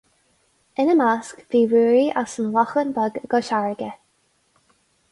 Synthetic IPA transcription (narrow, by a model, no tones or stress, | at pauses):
ɪnəmaskviːɹuːɹiʔasənlɔxənbɔɡɡɔʃaɹɡə